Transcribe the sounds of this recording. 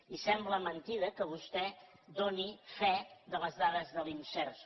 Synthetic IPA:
isɛmbləmənt̪iðəkəβ̞ust̪ɛ | d̪onifɛðələzðaðəzðəlinsɛɾs

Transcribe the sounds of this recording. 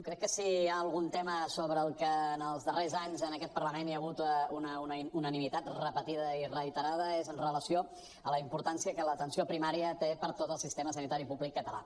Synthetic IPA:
okɾɛkːəsiaəlˠɣunt̪ɛməsoβɾəːlˠkəːnəlˠzðərezaɲzənəkɛt̪̚pərləmenjəɣ̞ut̪unəununənimit̪at̪rəpət̪iðəirəit̪əɾað̞əezənrələsio | ələimpuɾt̪ansiəkələt̪ənsiopɾimaɾiət̪epəɾt̪ot̪əlˠsist̪eməsənit̪aɾipuβlikːət̪əla̰

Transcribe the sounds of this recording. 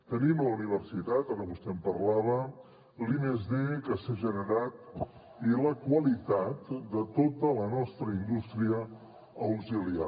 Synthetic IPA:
t̪ənimləuniβ̞əɾsit̪at̪aɾəβust̪ɛmpəɾlaβə | limezðekəseʒənəɾat̪̚ | iləkwəlit̪at̪d̪ət̪ot̪ələnɔst̪ɾəind̪ust̪ɾiə | əwzilia

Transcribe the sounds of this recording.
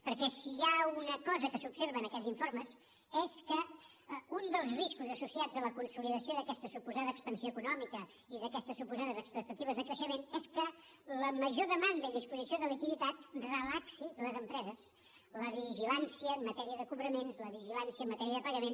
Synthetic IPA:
pəɾkɛsiaunəkɔzəkəsubseɾβənəkɛlziɱfoɾməs | ɛskə | und̪əlˠzriskuzəsusiad͡zələkunsuliðəsioðəkɛst̪əsupuzaðəːkspənsijoəkunɔmikə | iðəkɛst̪əsupuzaðəzəkspək̚t̪ət̪iβ̞əzðəkɾəʃəmenɛskələməʒoðəmand̪əðispuzisioðəlikiðit̪at̪̚rəlaksiləzəmpɾɛzəs | ləβiʒilansiəmmət̪ɛɾiəðəkuβɾəmenzləβiʒilansiəmːət̪ɛɾiəðəpəɣəmen

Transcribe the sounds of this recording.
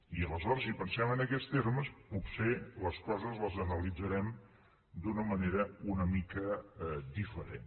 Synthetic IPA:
iələzɔɾəsipənsɛmənəkɛst̪eɾməsputseləskɔzəzləzənəlid͡zəɾɛm | d̪unəməneɾəunəmikəd̪ifəɾḛn

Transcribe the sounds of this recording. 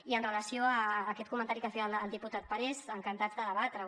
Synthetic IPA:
iənrələsioəːkɛt̪kumənt̪aɾikəfɛələlˠd̪iput̪at̪̚pəɾɛzəŋkənt̪azd̪əðəβat̪ɾə

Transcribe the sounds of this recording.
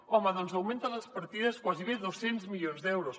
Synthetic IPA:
ɔmɐðɔnzɐwmẽnt̪ələspɐɾt̪iðɐskwaziβeðosenzmiʎonzðɛwɾos

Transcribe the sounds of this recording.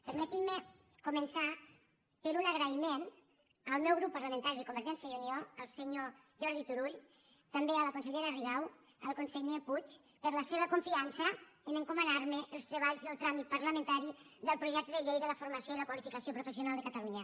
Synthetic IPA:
pəɾmət̪imə | kumənsa | pəɾunəɣɾəimen | əlˠmɛwɣɾupːəɾləmẽnt̪aɾiðəkumbəɾʒɛnsjəiunioəlˠsəɲo | ʒɔɾðit̪uɾuʎ | t̪ambeələkunsəʎeɾəriɣaw | ə̰lˠkunsəʎeput͡ʃ | pəɾləseβ̞əkuɱfiansəənəŋkomənaɾməʔəlˠst̪ɾəβaʎzðəlˠt̪ɾamit̪̚paɾləmə̃nt̪aɾiðəlˠpɾuʒɛk̚t̪əðəʎejðələfuɾmasjoiləkwalifikasijopɾufəsjunalˠd̪əkat̪aluɲə

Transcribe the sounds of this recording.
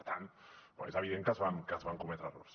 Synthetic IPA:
t̪ʰanba̰jzaβiðeŋkazβankazβaŋkomet̪ɾaro̰ɾs

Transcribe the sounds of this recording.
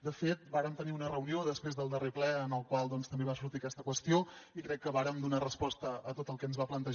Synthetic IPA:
d̪əfet̪̚baɾəmt̪əniunərəunioðəspɾezðəlˠd̪əreplɛənəlˠkwalˠd̪ɔnst̪əmbeβasuɾt̪iəkɛst̪əkwəst̪ioikɾɛkːəβaɾəmd̪unarəspɔst̪əːt̪ot̪əlˠkɛənzβaplənt̪əʒ

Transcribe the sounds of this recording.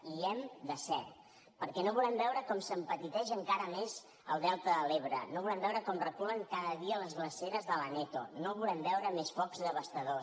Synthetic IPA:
iɛmd̪əsɛɾt̪ | pəɾkɛnoβulɛmbɛwɾəkɔmsəmpət̪it̪ɛʒəŋkaɾəmez | ə̰lˠd̪ɛlˠt̪əðəleβ̞ɾə̰noβulɛmbɛwɾəkɔmrəkuləŋkaðəðiələzɣləseɾəzðələnɛt̪onoβulɛmbɛwɾəmespɔkzðəβəst̪əðos

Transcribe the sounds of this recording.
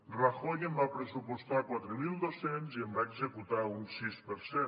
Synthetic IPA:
raxoɣembapɾesupost̪akwat̪ɾemild̪osenzembaeksekut̪aunsispeɾse

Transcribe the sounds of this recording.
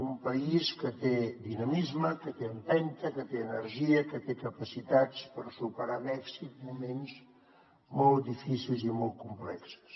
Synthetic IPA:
umpəiskət̪ed̪inəmizməkət̪eəmpɛnt̪əkət̪eənəɾʒiəkət̪ekəpəsit̪at͡spəɾsupəɾaβɛksit̪̚mumenz | mɔlˠt̪̚d̪ifisilˠzimɔlˠt̪̚kumplɛksə̥s

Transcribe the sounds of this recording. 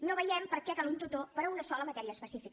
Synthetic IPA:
noβəjɛmpəɾkɛkalunt̪ut̪opəɾəunəsɔləmət̪ɛɾiəːspəsifik

